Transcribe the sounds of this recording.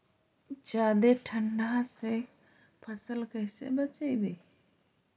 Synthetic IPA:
d͡ʒaːd̪eʈʰəɳɖʱase | pʰəsəlkəɦɪsḛbət͡ʃəibeː

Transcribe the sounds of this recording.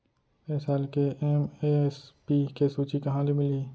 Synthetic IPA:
esalkeʔemespikesuːt͡ʃikɐɦãlimɪliː

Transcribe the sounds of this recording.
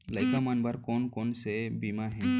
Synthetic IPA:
ləjkamanbʱəɾkonkonsebimaɦen

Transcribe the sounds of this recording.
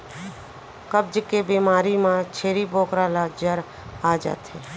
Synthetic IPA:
kəb̚d͡ʒəkebimaːɾimãt͡ʃʰeːɾiboːkɾalad͡ʒəɾ | aːd͡ʒa̰ːt̪ɦɛ

